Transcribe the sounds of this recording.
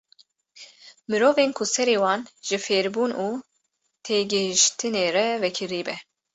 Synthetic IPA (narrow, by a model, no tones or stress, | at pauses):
mɨɾoːveːnkʰusɛɾeːwɑːnʒɨfeːɾbuːnuː | t̪ʰeːɡɨɦiʃt̪ʰɨneːɾɛvɛkʰɨɾiːbɛ